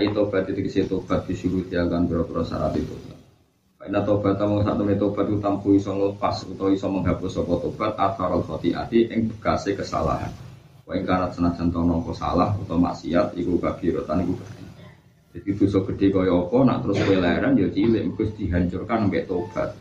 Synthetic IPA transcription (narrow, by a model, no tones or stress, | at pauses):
aʔit̪ob̥at̪̚it̪ukiset̪ob̥a̤t̪̚d̪̥i̤suɾut̪iakanbiɾat̪uɾansa̰ɾa̰t̪it̪obat̪̚ | kaʔinat̪ob̥at̪amɔsa̰ʔt̪əmnet̪ob̥at̪ikut̪ampuisɔŋləpasṵt̪awisɔməŋɦapʊsɔkɔt̪ob̥at̪̚at̪ʰaɾalfɔt̪iʔa̰d̪iʔɪŋb̥ə̥kasekəsa̰la̰ha̰n | kɔɪŋkaɾat̪̚sənḁd͡ʒ̥ant̪ɔnɔŋkɔsa̰lahut̪ɔma̰ʔsiɦat̪̚ikukab̥iɾot̪anikub̥əna | d͡ʒad̥̪id̥̪usɔɡ̥ə̤ɖ̥e̤kɔjɛɔpɔna̰ʔt̪əɾʊskojɛlaɛɾanjot͡ʃilɪʔmkʊsd̪̥iɦaɲt͡ʃʊrkanəmpɛʔt̪ob̥a̰t̪̚